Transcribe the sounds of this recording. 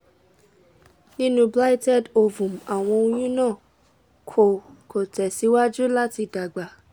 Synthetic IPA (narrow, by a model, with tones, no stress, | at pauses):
nĩ˦nũ˧bla˦i˦tɛ˦˨do˧vũ˨m̩˨a˨w̃ɔ̃˧o˧j̃ũ˦nãː˦˨ | kʰo˨kʰo˨tɛ˨si˨˦wa˦d͡ʒu˦la˦ti˧da˨ɡ͡ba˨